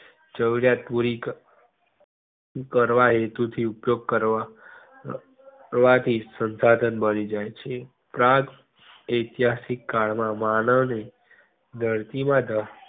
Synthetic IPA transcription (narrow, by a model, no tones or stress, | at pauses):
t͡ʃəʋɾjat̪̚puɾik | kəɾʋaɦet̪ut̪ʰiupjoɡ̚kəɾa | ʋat̪ʰisənsad̪ʱənbənid͡ʒajt͡ʃʰe | pɾãt̪ | əjt̪iɦasikːaɭmãmanəʋne | nʱəɾt̪imãd̪ʱə